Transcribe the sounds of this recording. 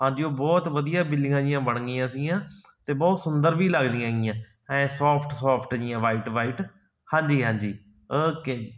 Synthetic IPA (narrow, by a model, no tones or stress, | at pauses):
ɦãːɲd͡ʒiːoːbɔːt̪ʋəd̪ijaːbɪlɪŋãːd͡ʒɪjãːbəɳ̃ɡiːãːsĩːãːt̪eːbɔːt̪sʊnd̪əɾʋiːləɡd̪ĩjãːɡɪjãː | hɛ̃ːsɔːpʰʈsɔːpʰʈd͡ʒĩjãːʋaːiːʈʋaːiːʈ | hãːɲd͡ʒiːɦãːɲd͡ʒiː | oke